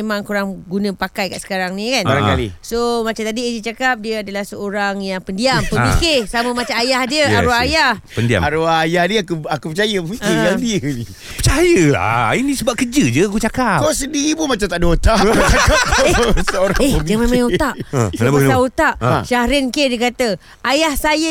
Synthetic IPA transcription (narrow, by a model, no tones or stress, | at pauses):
emãŋkuɾaŋɡunə̃pakajka̰ʔsə̥kaɾaŋnĩkanbaɾãŋkalisomat͡ʃamt̪adied͡ʒit͡ʃakap̚diəadalahsəoɾaŋjaŋpəndiampəbiskesamə̃mat͡ʃamajahdiəaɾuajahpəndia̰aɾuajahniakuakupət͡ʃajəəfikijadiəni | pət͡ʃajəla̰inĩsəbap̚kəd͡ʒəd͡ʒəakut͡ʃakakasəndiɾipunmat͡ʃamt̪aʔdaut̪aʔat͡ʃakap̚kaesəoɾaŋeəmd͡ʒamãmãjut̪aʔsnbk̪aut̪aʔʃahɾɪnkedikat̪ə | ajahsajə